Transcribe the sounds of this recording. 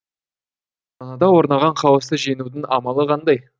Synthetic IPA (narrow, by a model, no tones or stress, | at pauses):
ɑnɑd̪ɑwo̞ɾnɑʁɑɴqʰɑwəst̪əʒe̞nud̪ɪnɑmɑlˠəqʰɑnd̪ɑj